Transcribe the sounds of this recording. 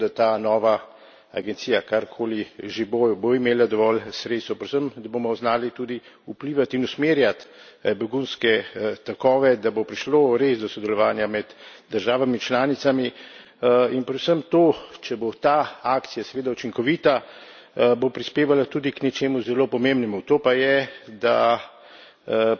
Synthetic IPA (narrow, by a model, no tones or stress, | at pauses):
d̪at̪aːnɔːʋa | a̰ɡɛnt̪sijakaɾkʰoːliʒeboːjboimeːlad̪ɔʋɔlsɾeːt̪st̪wpɾɛd̪wsəmd̪abomɔwznaːlit̪ud̪i | upliːʋat̪inusmeːɾjat̪bɛɡunskɛt̪akɔːʋɛd̪abopɾiʃloːɾezd̪ɔsɔd̪ɛlɔʋaːnjamɛd̪d̪əɾʒaːʋamit͡ʃlaːnit̪sami | inpɾɛd̪səmt̪oːt͡ʃɛbot̪aaːkt̪sijasɛʋeːd̪aut͡ʃiŋkɔʋiːt̪a | bopɾispeːʋalat̪uːd̪iknɛt͡ʃeːmuzɛloːpɔmembnɛmut̪oːpajɛd̪a